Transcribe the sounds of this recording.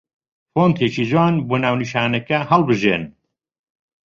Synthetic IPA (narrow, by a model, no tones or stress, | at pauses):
foːnt̪ʰet͡ʃiːzwaːnboːnaːwniʃaːnɛkɐɦɐlbɨʒḛːn